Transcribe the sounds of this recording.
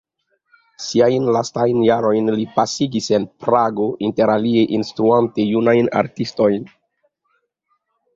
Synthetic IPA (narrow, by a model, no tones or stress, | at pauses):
siajnlastajnjaɾo̞jnlipasiɡise̞npɾaɡo̞ʔinte̞ɾalie̞ʔinstɾuante̞junajna̰ɾtisto̞jn